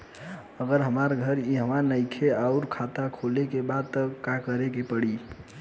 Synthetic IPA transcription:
əɡəɾɦəmaɾɡʱəɾiɦəmanəɪkʰeaʊɾkʰat̪akʰolekebad̪̚t̪əkakəɾekepəɽi

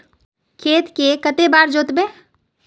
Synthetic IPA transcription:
kʰeːt̪kekət̪ebaːɾd͡ʒoːt̪be

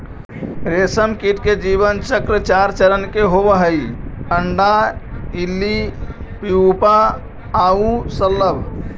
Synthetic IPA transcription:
ɾesəmkiʈked͡ʒiβənt͡ʃəkɾət͡ʃaɾt͡ʃəɾənkeɦobəɦəjpəɳɖailːipiupaː | ũsəlːəb

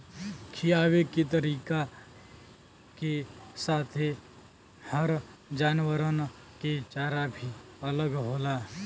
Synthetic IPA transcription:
kʰijaːweket̪̬əɾiːka | kesaːt̪ʰe | həɾd͡ʒaːnwəɾən | ket͡ʃaːɾabʱiɐləɡɦoːlaː

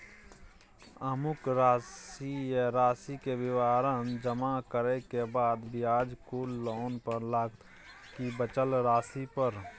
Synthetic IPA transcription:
əmʊkɾaːsijəɾaːsikebɪʋaːɾənd͡ʒəmakəɾekebaːd̪bɪjaːd͡ʒkulːoːnpəɾlaːɡt̪ | kibət͡ʃəlɾaːsipəɾ

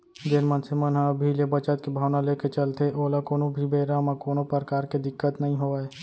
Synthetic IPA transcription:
d͡ʒeːnmənsemənɦãbʱilebət͡ʃət̪̚kebʱaːʋnaleːket͡ʃəlt̪eʔoːlakoːnobʱibeːɾamãkoːnopəɾkaːɾked̪ɪkːət̪nɐɦĩɦoːae

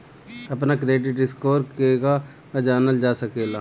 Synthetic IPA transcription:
ɐp̬nakɾeːɖɪʈɪskoːɾkeka | d͡ʒaːnəld͡ʒaːsəkeːlaː

